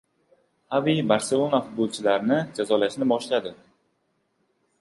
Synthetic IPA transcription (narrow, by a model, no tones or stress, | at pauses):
havibaɾse̞lˠo̞nafʊd̪̚bolˠt͡ʃʰɪlaɾnɪd͡ʒazɒlaʃnɪbɒʃlad̪ɪ